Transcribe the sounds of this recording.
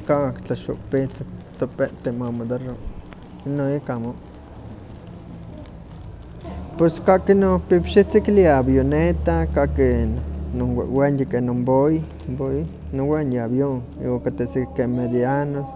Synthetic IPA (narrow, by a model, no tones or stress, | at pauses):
kawakt͡ɬaʃo̰kpit͡sok̚t̪opeʔt̪emamod̪ero | inːoikamo | peskaʔkinopipʃit͡sikliabjonet̪akaʔkenowewenjekenomboi | mboi | nowenjabjoŋ | ḭwakat̪esikkemed̪ianos